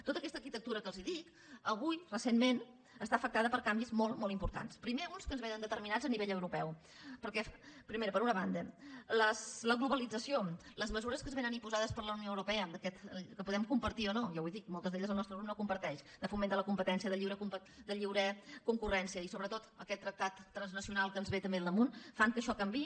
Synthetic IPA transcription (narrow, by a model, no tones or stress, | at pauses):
t̪ot̪əkɛst̪əɾkit̪ək̚t̪uɾəkəlˠziðik | əβ̞ujrəsenmen | əst̪aəfək̚t̪aðəpəɾkambizmolˠmolˠimpuɾt̪a̰nspɾimeunskənzβenənd̪ət̪əɾminad͡zəniβeʎəwɾupɛw | pəɾkɛfpɾimeɾəpəɾunəβand̪ələsləɣluβəlid͡zəsioləzməzuɾəskəzβenənimpuzaðəspəɾləwnioəwɾupɛəd̪əkɛt̪kəpuðɛmkumpəɾt̪iɔnojawiðik̚mɔlˠt̪əzðeʎəzəlˠnɔst̪ɾəɣɾup̚nokumpəɾt̪ɛʃd̪əfumenələkumpət̪ɛnsiəðəʎiwɾəkump | d̪əʎiwɾəkuŋkurɛnsiəisoβɾət̪ot̪əkɛt̪ːɾək̚t̪at̪ːɾənznəsiunalˠkənzβet̪əmbeðlˠd̪əmunfaŋkəʃɔkəmbi